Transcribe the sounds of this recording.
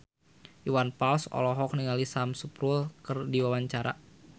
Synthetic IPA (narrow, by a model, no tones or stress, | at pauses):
uwanpalsɔ̰lɔɦɔk̚niŋalisamsupɾulkɨrdiwawaɲt͡ʃaɾa̰